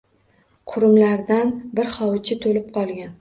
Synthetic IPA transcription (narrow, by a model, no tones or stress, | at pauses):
qʰʊɾʊmlaɾd̪anbɪɾχɒwt͡ʃʰɪt̪ʰolɪp̚qʰɒlˠɡʲan